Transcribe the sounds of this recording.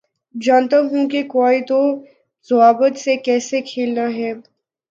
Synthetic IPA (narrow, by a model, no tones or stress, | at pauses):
d͡ʒaːnt̪aɦũkekoːit̪o | zʊaːbət̪sekɛːsekʰeːlnaɦɛː